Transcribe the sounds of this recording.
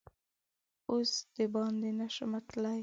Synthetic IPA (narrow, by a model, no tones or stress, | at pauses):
osd̪̥əbɑnd̪enaʃəmat̪laj